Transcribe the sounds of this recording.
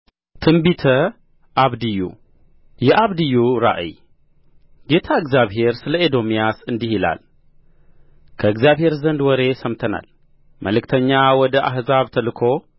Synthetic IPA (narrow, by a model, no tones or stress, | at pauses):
t̪ʰɨmbit̪ʰɐ | ʔaβd̪ijṵ | jɛʔaβd̪ijːuɾa̰ʔɨ̰j | ɡe̞t̪ʰaɨɡzjaβɦe̞ɾsɨlɐed̪o̞mijasɨnd̪ihila̰l | kʰəɨɡzijaβhe̞ɾzɐnd̪wɔɾe̞sɐmt̪ʰɐna̰l | məlɨkt̪ʰɐɲːawɔd̪ɐʔaɦzaβt̪ʰɐlɨkʰo̞